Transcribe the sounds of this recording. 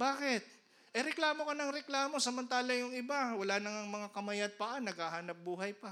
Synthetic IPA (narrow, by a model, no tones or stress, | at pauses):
baːkɪt̪̚ | ʔɐjɾɛklaːmo̞kɐnɐŋɾɛklaːmo̞sɐmɐnt̪aːlɐjʊŋɪbawɐlanɐŋɐŋmɐŋakɐmɐjat̪̚pɐʔanːɐɡ̚haːhaːnɐp̚buːɦɐjpɐ